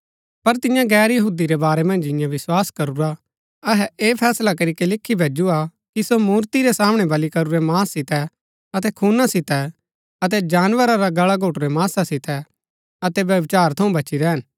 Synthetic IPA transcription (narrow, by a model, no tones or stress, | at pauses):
pɐɾt̪ɪ̃jãɡɛːɾjɐɦuːd̪iɾɛbaːɾemɐ̃nd͡ʒɪ̃jãʋɪswaːskɐɾuɾa | ɐɦɛeːpʰɛːslakɐɾikelɪkʰːibʱeːd͡ʒua | kisomuːɾt̪iɾɛsaːmɽ̃ɛbɐlikɐɾuɾɛmaːsːɪt̪ɛ | ɐt̪ɛkʰuːnasɪt̪ɛ | ɐt̪̬ɛd͡ʒaːnʋəɾaɾaɡɐɭaɡʱoːʈuɾɛmaːsasɪt̪ɛ | ɐt̪ɛʋjɐʋɪt͡ʃaːɾt̪ʰɐũbʱɐt͡ʃiɾɛːən